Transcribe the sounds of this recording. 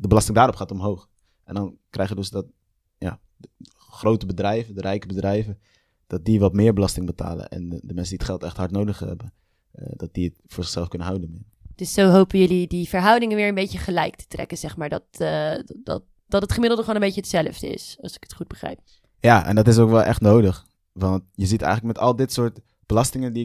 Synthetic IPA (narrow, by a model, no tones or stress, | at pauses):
dəbəlɑstɪŋdaːɾɔpχaːtɔmɦowχ | ʔɛndɑnkrɛjχədɵsdɑt | ja̰ː | ə | χrowtəbədrɛjvədərʔɛjkəbədrɛjvə | d̥ɑt̚diʋɑtmɪːɹbəlɑstɪŋbəta̰ːlə̰nʔɛ̰ndəmɛnsəndiətχɛlˠtɛχtɦɑɹtnowdəχɛ̰bə | ədɑt̚d̥iətfʊːɹzɪχsɛlˠfkɵnənɦawdənmɪ | d̥ɵsːowɦowpənjɵlidivəɹɦʌwdɪŋəʋɪːɹənbejcəχəlɛjktʰə̥trɛ̰kənz̥ɛχmaːɹdɑ̰t | dɑ̰ | d̥ɑtətχəmɪdl̩ˠdəχoːnəbejt͡ʃəətsɛləvdəɪ̰sɑ̰lˠsɪ̥kə̥tχud̚bəχrɛ̰jp̚ | jaːʔɛ̰ndɑtɪs̬owkʋɛlˠʔɛ̰χtnowdəχ | ʋɑntjəzitɛ̰jχələk̚mɛtɑ̰lˠdɪtsʊːɹt | b̥əlɑstɪŋəndi